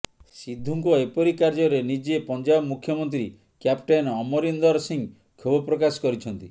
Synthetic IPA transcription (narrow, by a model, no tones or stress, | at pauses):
sid̪ʱːuŋkɔepɔɾikaɾd͡ʒɔɾenid͡ʒepɔnd͡ʒabmukʰjɔmɔnt̪ɾi | kjapʈajnɔmɔɾind̪ɔɾsiŋ | kʰobɔpɾɔkasɔ̥kɔɾit͡ʃʰɔnt̪i